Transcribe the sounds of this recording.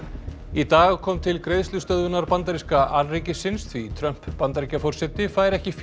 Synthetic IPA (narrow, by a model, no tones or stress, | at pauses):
it̪aːɣkʰɔmt̪ʰɪlkɾejðslʏst̪œðvʏnaɾpant̪aɾiskaʔalreːcɪsɪnst̪ʰvit̪ʰɾœm̥pːant̪aɾicafɔr̥sɛt̪ɪfaːjɾɛhcɪf